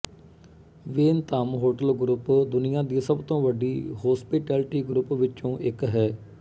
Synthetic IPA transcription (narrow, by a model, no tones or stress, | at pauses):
ʋeːnt̪aːmɦoːʈəlɡɾʊpd̪ʊnɪjãːd̪iːsəbt̪õːʋəɖiːɦɔːspɪʈɛːlʈiːɡɾʊpʋɪt͡ʃõːʔɪkɦɛː